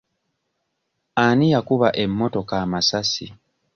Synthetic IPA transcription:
anijakuβaʔe̞mːo̞to̞kaːmasasi

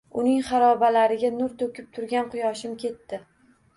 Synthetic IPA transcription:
ʊnɪŋχɑɾɒbalaɾɪɡʲanʊɾt̪ʰɵkʲɪp̚t̪ʰʊɾɡʲanqʊjɒʃɪmkʲʰe̞t̪ːɪ

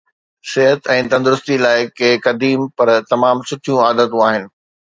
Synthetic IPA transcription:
sɪɦət̪ɛ̃ːt̪ɐ̃nd̪ʊɾʊst̪ilaːɪkekɐd̪iːmpɐɾt̪ɐmaːmsʊʈʰijũaːd̪ət̪ũaːɦɪnɪ̆

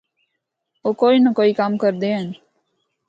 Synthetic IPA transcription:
oːkoːinəkoːikaːmkəɾd̪eːɦən

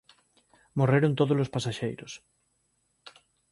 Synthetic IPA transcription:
moreɾont̪oðolospasaʃejɾos

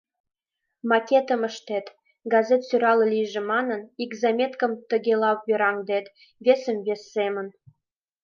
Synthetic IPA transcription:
mɑkʲet̪ə̆mə̆ʃt̪et̪ | ɡɑzʲet̪syɾɑlɤ̆lʲijʒĕmɑnɤ̆niɡzɑmʲet̪kə̆mt̪ə̆ɡʲelɑwbeɾɑŋd̪et̪ | βʲesə̆mvʲesːemə̆n

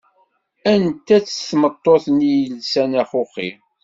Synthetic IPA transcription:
ænt̪æt͡sːə̥θmət̪ˤːoθnijəlsænæχʊχḭ

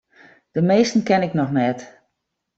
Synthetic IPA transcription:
d̥əmeːstən̩kɛnɪknɔxnɛt

